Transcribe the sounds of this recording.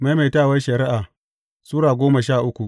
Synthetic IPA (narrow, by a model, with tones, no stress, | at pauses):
ma˨˦jma˨jtaː˦˨wɐ˦ʃɐ˨ɾɪ˦ʔaː˨ | suː˦ɽaː˨ɡʷoː˦ma˨ʃaː˦˨ʔʊ˦kʷu˨ʔ